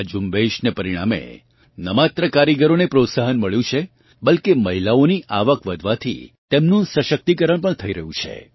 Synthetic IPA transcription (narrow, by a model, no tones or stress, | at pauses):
d͡ʒumbeʃnepəɾiɽ̃amḛ | nəmat̪ɾəkaɾiɡəɾonepɾot̪saɦənməɭjũt͡ʃʰe | bəlkeməɦilaoniʔaʋəkʋəd̪ʱʋat̪ʰḭt̪emnũsəʃək̚t̪ikəɾəɳpəɳt̪ʰəiɾəɦũt͡ʃʰḛ